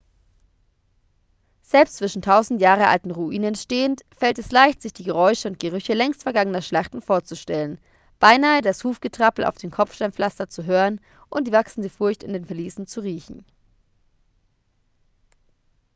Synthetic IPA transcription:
z̥ɛlpstt͡sv̥ɪʃn̩tʰaʊzn̩tjaːʁ̞əʔa̰ltn̩ʁuʔiːnɛnʃteːəntfɛltɛslaɪçtz̥ɪçd̥iːɡəʁ̞ɔʏʃəʊnt̚ɡ̥əʁʏçəlɛŋstfɛɐɡaŋənɐʃlaχtn̩foːɐt͡suʃtɛlən | b̥aɪnaːədashuːfɡ̥ətʁ̥apl̩ʔa̰ʊfd̥eːnkʰɔfʃtaɐmflastɐt͡suɦøːʁən | ʔʊnt̚d̥iːvaksn̩dəfʊɐçtɪndeːnfɛɐliːsn̩t͡suʁiːçn̩

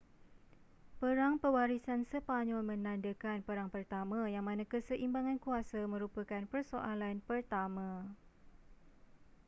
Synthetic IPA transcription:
pəɾaŋpəwaɾisansəpaɲɔ̃lmə̃nãndəkanpəɾaŋpərt̪amãjaŋmãnãkəsəʔimbaŋankuasamə̃ɾupəkanpərso̰ʔalanpərt̪amã

